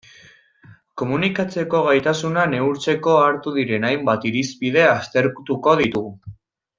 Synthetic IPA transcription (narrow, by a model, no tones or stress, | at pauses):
ko̞munikat͡se̞ko̞ɣajt̪asunane̞uɾt͡se̞ko̞aɾt̪uðiɾe̞najmbat̪iɾispið̞e̞ast̪e̞ɾkut̪uko̞ðit̪uɣ